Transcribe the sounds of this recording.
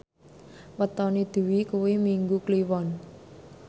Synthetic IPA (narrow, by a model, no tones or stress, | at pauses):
wət̪ɔnid̪̥ṳwikuwemiŋɡukliwɔn